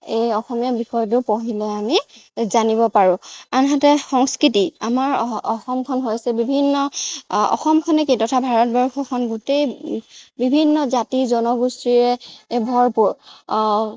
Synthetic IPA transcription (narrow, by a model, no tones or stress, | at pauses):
ejɔxɔmijabixɔjtʊpoɦilɛamizaniβɔpaɹʊ̃anɦatɛxɔŋskɹitiamaɹɔxɔmkʰɔnɦojsɛbibʱinːɔɔ̰xɔmkʰɔnɛkitɔtʰabʱaɹɔt̚bɔɹxʰɔkʰɔnɡutej | bibʱinːɔzatizɔnɔɡustɹiɹɛbʱɔɹpuɹ